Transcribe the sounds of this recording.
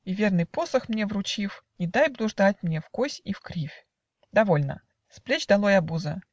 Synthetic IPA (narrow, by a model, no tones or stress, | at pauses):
ivʲe̞rnɨjpo̞səxmnʲevɾʊt͡ɕifnʲɪd̪ajblˠʊʐd̪at̚ʲmnʲe̞fkosʲifkɾʲifʲ | d̪ɐvo̞lʲnə̰ | splʲet͡ɕd̪ɐlˠojɐbuzə